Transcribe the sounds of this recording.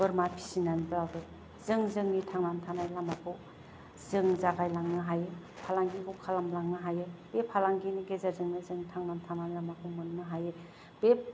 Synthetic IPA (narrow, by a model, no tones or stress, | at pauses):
b̥ɯɾmapʰi̥sinanibɯawdɯ | zɯŋzɯŋnitʰaŋnamtʰanajlamapʰo | zɯŋzaɡajlaŋnɯɦaje | pʰalaŋɡikʰɔkʰalamlaŋnɯɦajeb̥epʰalaŋɡiniɡezaɾzɯŋnɯzɯŋnitʰaŋnamtʰanajlamakʰumɯnnɯɦaje | b̥ep̚